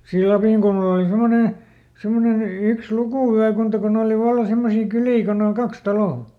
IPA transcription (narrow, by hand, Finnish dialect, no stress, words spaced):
siː lɑpiˑŋkulmɑl oˑli semone semːonen yks lukuˑʋyækuntɑ kun oːli ʋɑlːɑ semːosiː kyliː kon oŋ kɑks tɑloˑ